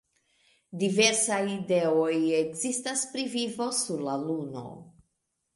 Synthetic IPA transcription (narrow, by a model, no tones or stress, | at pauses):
dive̞ɾsajideojekzistaspɾivivo̞suɾlaluno̞̰